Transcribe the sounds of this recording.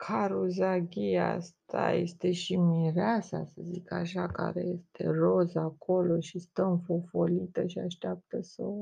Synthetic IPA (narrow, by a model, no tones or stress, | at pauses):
kʰaɾuzaɡʲia̰st̪ʰajḛst̪e̞ʃimiɾeasa̰səzikəaʃaka̰ɾe̞̰je̞st̪ʰe̞̰rozako̞lo̞ʃist̪əɨ̃nfofolit̪əʃiaʃt̪eap̚t̪əso